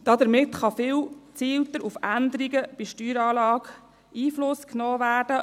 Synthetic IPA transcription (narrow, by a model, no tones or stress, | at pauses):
d̥̪ɑd̪əɾmɪt̪χɑfɪwt͡siːwt̪əɾufænd̪əɾiɡəb̥iʃtyːɾɑːlɑːɡ | iːflʊsknoːʋæːrd̥ə